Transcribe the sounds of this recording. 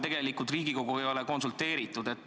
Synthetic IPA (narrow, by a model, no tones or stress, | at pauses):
t̪e̞ɡe̞likut̪riːɡiko̞ɡuvɤjo̞leko̞nsult̪e̞ːɾit̪ːˑud̪e̞t̪ːˑ